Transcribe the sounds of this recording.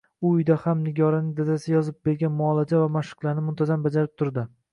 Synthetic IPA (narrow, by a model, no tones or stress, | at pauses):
ʊʊjd̪ahamnɪɡʲɒɾanɪŋʲd̪ad̪asɪjɒzɪp̚be̞ɾɡʲanmʊɒlˠad͡ʒavamaʃɨ̥qlˠaɾnɪmʊnt̪ʰazambad͡ʒaɾɪp̚t̪ʰʊɾd̪ɪ